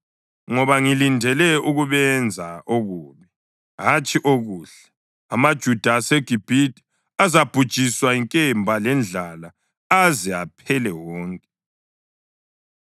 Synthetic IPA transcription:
ŋɔβaŋilindʱɛlɛuɣuβɛnd͡zʱaʔoɣuːβɛ | ɦat͡ʃʼiʔoɣuːɬɛ̥ | amad̥ʒ̥ʱud̥ʱaːsɛɡ̥ʱib̥ʱitʼ | azab̥ʱud̥ʒ̥ʱiswaiŋkʼɛmbʱalɛnd͡ɮʱala | azia̰pʰɛlɛwɔːŋkʼɛ

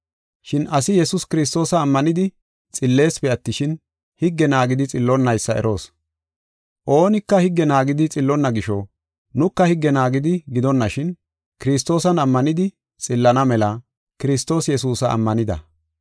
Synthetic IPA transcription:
ʃɪnʔɐsɪjɛsʊskɪɾɪs̬t̪o̞ːsɐːmːɐnɪd̪ɪ | t͡sʼɪlːe̞ːspɛɐt̪ːɪʃɪn | hɪɡːɛnaːɡɪd̪ɪt͡sʼɪlːɔnːɐjsːɐɛ̰ɾʔo̞ːs | ʔo̞ːnɪkːɐhɪɡːɛnaːɡɪd̪ɪt͡sʼɪlːɔnːɐɡɪʃɔ | nʊkːɐhɪɡːɛnaːɡɪd̪ɪɡɪd̪ɔnːɐʃɪn | kɪɾɪst̪ːo̞ːsɐnɐmːɐnɪd̪ɪ | t͡sʼɪlːɐnɐmɛlɐ | kɪɾɪst̪o̞ːsjɛsuːsɐʔɐ̰mːɐnɪd̪ɐ̰

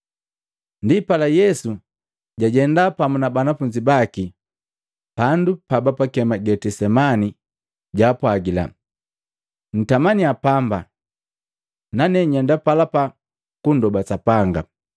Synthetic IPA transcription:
ndipalajɛsu | ɟaɟɛndapamunabanafuɲd͡ʒibaki | pandupabapakɛmaɡɛtɛsɛmani | ɟaːpwaɡila̰ | n̩tamaniapamba | nanɛɲɛndapalapa | kundɔbasapaŋɡa̰

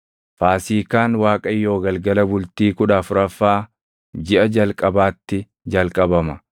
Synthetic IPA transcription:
faːsiːkaːnwaːkʼɐjːo̞ːɡɐlɡɐlɐbʊlt̪iːkʊᶑaːfʊɾɐfːaː | d͡ʒɪʔɐd͡ʒɐlkʼɐbaːt̪ːɪ | d͡ʒɐlkʼɐbɐmɐ

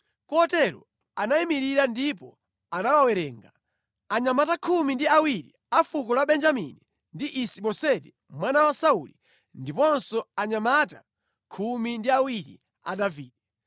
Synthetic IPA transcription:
kɔtɛɾɔ̰ | anaimiɾiɾandipɔ | anawawɛɾɛːŋɡa | aɲamatakʰumindiawiɾḭ | afukɔlaɓɛnd͡ʒamḭni | ndiʔisiɓɔsɛtɛ | mwanawasauli | ndipɔnsɔaɲamata̰ | kʰumindiawiɾḭ | a̰daviːdɛ

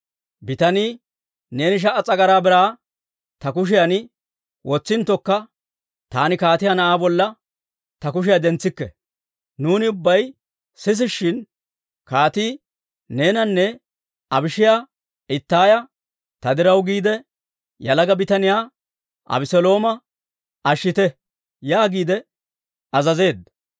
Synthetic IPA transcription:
bɪt̪ɐniː | neːnɪʃ̬ɐʔɐt͡sʼɐɡɐɾaːbɪɾaː | t̪ɐkʊʃ̬ɪjɐnɪ | wɔt͡sːɪnt̪ːɔkːɐ | t̪aːnɪkaːt̪ɪjanɐʔaːbɔlːɐ | t̪ɐkʊʃɪjɐd̪ɛnt͡sːɪkːɛ | nuːnɪʊbːɐj | sɪs̬ɪʃːɪn | kaːt̪iː | ne̞ːnɐnːɛ | ɐbɪʃɪjaː | ʔɪt̪ːaːjɐ | t̪ɐd̪ɪɾɐwɡiːd̪ɛ | jɐlɐɡɐbɪt̪ɐnɪjaː | ʔɐ̰bɪsɔlo̞ːmɐ | ɐʃːɪt̪ɛ | jaːɡiːd̪ɛ | ɐzɐze̞ːd̪ɐ

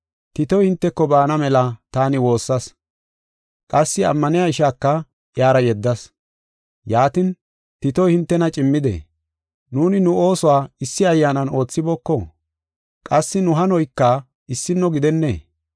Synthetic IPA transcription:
t̪ɪt̪ɔjhɪnt̪ːɛkːɔbaːnɐmɛlɐt̪aːnɪwo̞ːsːɐs | kʼɐsːɪɐ̰mːɐnɪjaɪʃaːkːɐ | jaːɾɐjɛd̪ːɐs | jaːt̪ɪn | t̪ɪt̪ɔjhɪnt̪ːɛnɐt͡ʃʼɪmːɪd̪ɛ̰ | nuːnɪnʊo̞ːsɔwaːɪsːɪɐjːaːnɐno̞ːt͡sːɪbɔkːɔ | kʼɐsːɪnʊɦɐnɔjkːɐ | ɪsːɪnːɔɡɪd̪ɛnːḛː

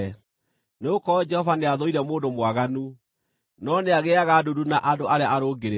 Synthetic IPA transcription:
neokɔd͡ʒɛhɔvaneaðɔiɾɛmoːndomwaɣanu | nɔneaɣeaɣadudunaʔadoʔaɾeaʔaɾoɡeɾe

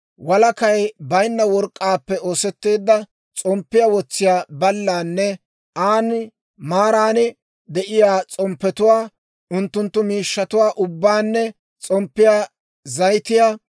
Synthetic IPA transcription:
wɐlɐkɐjbɐjnːɐwɔɾkʼːaːpːɛoːsɛt̪ːeːd̪ːɐ | t͡sʼɔmpːɪjawɔt͡sːɪjaːbɐlːaːnːɛ | ʔaːn | maːɾaːnɪ | d̪ɛʔɪjaːt͡sʼɔmpːɛt̪ʊwaː | ʔʊnt̪ːʊnt̪ːʊmiːʃːɐt̪ʊwaːʔʊbːaːnːɛ | t͡sʼɔmpːɪjaː | zɐjt̪ɪjaː

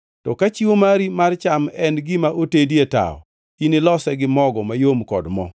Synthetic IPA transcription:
tɔkat͡ʃiwomaɾimart͡ʃamɛnɡɪmaʔotedjeta̰ɔ̰ | inɪlɔsɛɡɪmɔɡɔmajomkɔ̰dmɔ̰

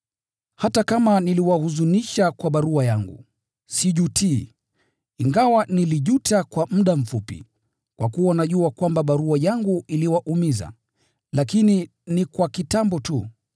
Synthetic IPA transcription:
hatakamaniliwahuzuniʃakwaɓaɾuajaŋɡṵ | siʄutʰi | iŋɡawaniliʄutakwam̩ɗam̩fupḭ | kwa̰kuanaʄuakwambaɓaɾuajaŋɡuiliwaʔumiza̰ | lakini | nikwakitambɔtu

